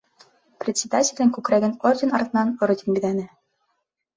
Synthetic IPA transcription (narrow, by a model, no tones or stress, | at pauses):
prʲɪt̪ʲsʲɪd̪atʲɪlʲɘ̆ŋkʉkɾæɡɘnorʲdʲɪnɑrt̪ɤ̆nɑnordʲenbʲid̪ænɘ